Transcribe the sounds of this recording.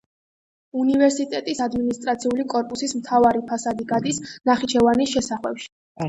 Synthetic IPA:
univɛɾsit̪ʼɛt̪ʼisad̪minist̪ʼɾat̪sʰiulikʼɔɾpʼusismt̪ʰavaɾipʰasad̪iɡad̪isnaχit͡ʃʰɛvanisʃɛsaχwɛpʃi̥

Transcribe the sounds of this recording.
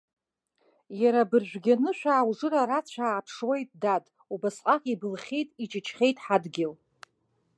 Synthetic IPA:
jaɾabɨrʒᶣʷɡʲanɨʃʷᶣaːwʐɨraɾat͡ɕʷʰaːʕːpʰʂwejtʼdatʼ | ubasqʼaqʲʼibɨlχʲejtʼit͡ʃʼɪt͡ʃʰχʲe̞jtʼħadɡʲɪl

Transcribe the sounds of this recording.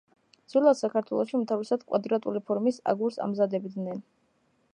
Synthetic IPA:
d̪z̥vilˠad̪sakʰaɾt̪ʰwɛ̰lˠɔʃiumt̪ʰavisad̪kʼwa̰d̪ɾat̪ʼulipʰɔɾmisa̰ɡuɾsa̰mzad̪ɛbd̪nɛn

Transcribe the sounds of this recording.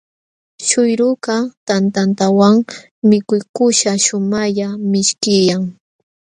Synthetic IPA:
ʃʊjɾʊkat̪ant̪ant̪awaŋ | mɪkʊjkʊʃaʃʊmaʎamɪʃkɪjaŋ

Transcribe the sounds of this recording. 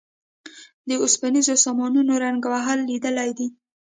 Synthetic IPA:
d̪əʊspanizosɑmɑnunoɾaŋɡwaɦalːid̪əlajd̪i

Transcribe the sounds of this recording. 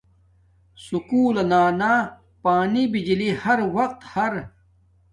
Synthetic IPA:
sukuːlɐnaːnaː | paːnibid͡ʑlihɐɾwɐqt̪hɐɾ

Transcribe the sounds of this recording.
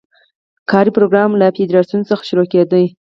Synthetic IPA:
kʰɑɾipɾoɡɾɑmlafed̪ɾɑsunot͡səxḁʃuɾoked̪əj

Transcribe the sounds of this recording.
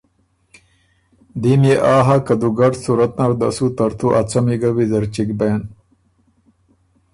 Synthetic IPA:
d̪imeʔaːɦakɐd̪uɡɐɾsuɾɐt̪̚naɾd̪ɐsut̪ɐɾt̪ʰuʔɐt͡sɐmiɡɐwizɐɾt͡ɕikbeːn

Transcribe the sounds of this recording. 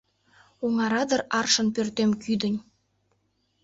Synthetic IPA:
oŋɑɾɑd̪ərɑrʃə̆npørt̪emkyd̪ə̆nʲ

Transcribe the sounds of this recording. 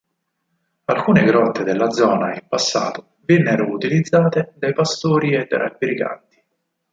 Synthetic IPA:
alkuːneɡɾɔt̪ːed̪elːad̪zɔːnaimpasːa̰ːt̪o | vɛnːeɾʊut̪ilid̪zːaːt̪ed̪ajpast̪oːɾiɛt̪ːḛɾa̰pːiɾika̰nt̪i̥

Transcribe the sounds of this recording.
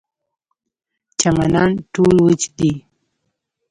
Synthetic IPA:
t͡ʃamananʈulwət͡ʃd̪i

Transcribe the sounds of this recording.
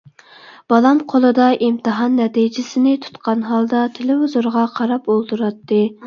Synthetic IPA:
b̥ɑlˠɑmqʰolˠɨd̪ɑʔimt̪ʰɨɦɑnːɛt̪ijd͡ʒɪsɪnɪt̪ʰu̥t̪qɑnɦɑlˠd̪ɑt̪ʰelɪɦuzuɾʁɑqʰɑɾɑpolˠd̪uɾɑt̪ːɨ

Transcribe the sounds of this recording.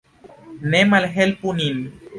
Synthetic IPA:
nemalɦelpunin

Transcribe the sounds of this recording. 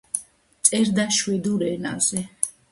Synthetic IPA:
t̪sʼɛɾd̪aʃwɛd̪uɾɛna̰zɛ

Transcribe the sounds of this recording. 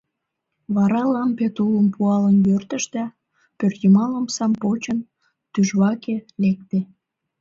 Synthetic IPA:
βɑɾɑlɑmpet̪uləmpuɑlənjørt̪ə̆ʃd̪æ | pørt̪jəmɑləmsɑmpot͡ɕən | t̪yʒβɑkelek̚t̪e

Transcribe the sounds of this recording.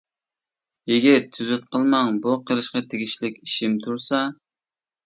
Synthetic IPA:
jeɡʲɪt̪ʰːyzyt̪̚qʰəlˠmɑŋbuqʰəɾɨʃqɑt̪ʰeɡʲiʃlɪkʲiʃɪmt̪ʰuɾsɑ

